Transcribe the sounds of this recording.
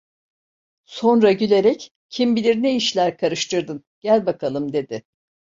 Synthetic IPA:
so̞nɾaɟylʲe̞ɾɛc | cʰimbilʲiɾneiʃlʲæɾkʰaɾɯʃt̪ʰɯɾd̪ɯn | ɟ̥ælʲbakʰalˠɯmd̪e̞d̪ɪ

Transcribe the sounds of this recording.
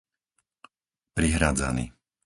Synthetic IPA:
pɾiɦɾaːd͡za̰nḭ

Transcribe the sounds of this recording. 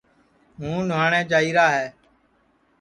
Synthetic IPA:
mũːnʊʋaːɳɛ̃ːt͡ʃaːiːɾaːɦɛː

